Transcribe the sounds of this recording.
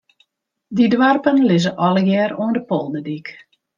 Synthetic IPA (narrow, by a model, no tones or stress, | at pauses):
didwarpənlɪzəʔɔləjɛːroəndəpolˠdədik